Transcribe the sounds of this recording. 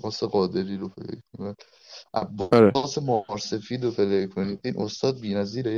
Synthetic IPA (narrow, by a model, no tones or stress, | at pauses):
bɒːseɣɒːd̪eɾiːɾopʰelḛkkiko | ʔæbːɒɾeːsemɒːɾse̞fiːd̪ɾopʰelekʰoniːd̪ʔiːnʔo̞st̪ɒːd̪̚biːnæziːɾe